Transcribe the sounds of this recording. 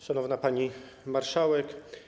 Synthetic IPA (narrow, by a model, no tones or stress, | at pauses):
ʂanɔvnapaɲi | maɾʂawɛk